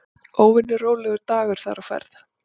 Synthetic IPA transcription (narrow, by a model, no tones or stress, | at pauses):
oːwvɪnːʏroːwlɛɣʏɾt̪aːɣʏɾ̥θa̰ɾafɛ̰ɾθ